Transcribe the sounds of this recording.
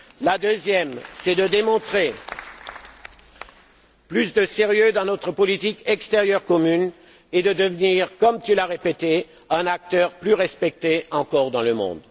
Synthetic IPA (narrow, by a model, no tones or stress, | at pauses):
lad̪øzjɛmsɛd̪əd̪emɔ̃t̪χe | plysd̪əseʁjød̪ɑ̃nɔt̪χəpɔlit̪ikɛkst̪eʁjœʁkɔmyn | ed̪əd̪əvniʁkɔmt̪ylaʁepet̪e | ɛ̃nak̚t̪œʁplyʁɛspɛk̚t̪eɑ̃kɔʁd̪ɑ̃ləmɔ̰̃d̪